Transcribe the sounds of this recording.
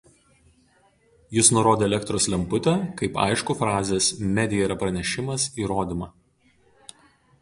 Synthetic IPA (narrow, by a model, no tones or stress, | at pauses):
jɪsnʊɾoːd̪ʲeːɛlʲɛkt̪ɾoːslʲɛmpʊt̪ʲɛkɐɪpɑ̰ɪʃkʊfɾɑːzʲeːsmʲɛd̪ʲɪjɛiɾɐpɾɐnʲɛʃʲɪmɐsiːɾoːd̪ʲɪmɐ